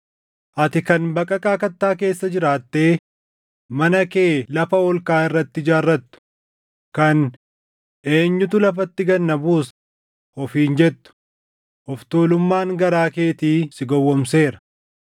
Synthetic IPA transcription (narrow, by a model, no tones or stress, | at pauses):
ʔɐt̪ɪkɐnbɐkʼɐkʼaːkɐt̪ːaːke̞ːsːɐd͡ʒɪɾaːt̪ːeː | mɐnɐke̞ːlɐfɐɔlkaːɪrːɐt̪ːɪd͡ʒaːrːɐt̪ːʊ̥ | kɐn | ʔeːɲːʊt̪ʊlɐfɐt̪ːɪɡɐnːɐbuːs | hɔfiːnd͡ʒɛt̪ːʊ̥ | hɔft̪oːlʊmːaːŋɡɐɾaːke̞ːt̪iːsɪɡɔwːɔmse̞ːɾɐ̥